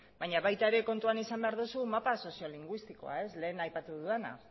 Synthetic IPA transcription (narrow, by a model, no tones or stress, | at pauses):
baɲaβajt̪aeɾe̞ko̞nt̪uanisambe̞aɾðusumapaso̞sio̞liŋɡwist̪iko̞̰a̰e̞sle̞ːnajpat̪uðuðena̰